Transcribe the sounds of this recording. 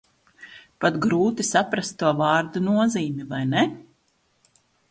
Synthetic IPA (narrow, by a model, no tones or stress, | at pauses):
pat̪ɡɾuːt̪isapɾast̪ːuɔvɑːɾd̪unuɔziːmivajnɛ